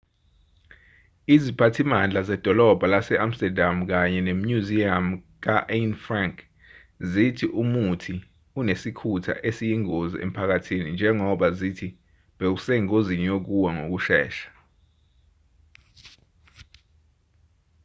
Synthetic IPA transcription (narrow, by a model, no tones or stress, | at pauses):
izipʰatʰimand͡ɮʱazɛd̥ʱɔlɔb̥ʱalasɛʔam̩stɛdʱam̩k̬aɲɛnem̩juziam̩ | k̬aʔenfraŋkʰʼ | zitʰiʔumutʰi | unesikʰutʰa̰ʔesijiŋozḭʔḛm̩pʰak̬atʰinind͡ʒʱɛŋɔɓazitʰi | ɓek̬usɛŋozinijok̬uwaŋo̰k̬uʃɛ̰ːʃḁ